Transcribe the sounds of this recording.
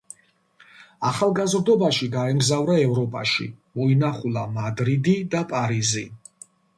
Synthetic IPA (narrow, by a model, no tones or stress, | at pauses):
aχalˠɡazɾd̪ɔbaʃiɡaɛmɡzavɾaɛvɾɔpʼa̰ʃḭmɔinaχulˠamad̪ɾid̪id̪apʼaɾizi